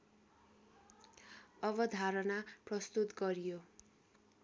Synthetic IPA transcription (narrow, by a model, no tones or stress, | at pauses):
ʌβʌd̪ʱaɾʌnaprʌst̪ut̪ɡʌɾijo